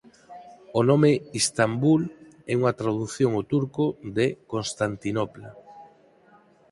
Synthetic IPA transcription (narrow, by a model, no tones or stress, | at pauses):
onomeist̪ambul | ɛuŋat̪ɾaðuθjoŋot̪uɾkoðekonst̪ant̪inopla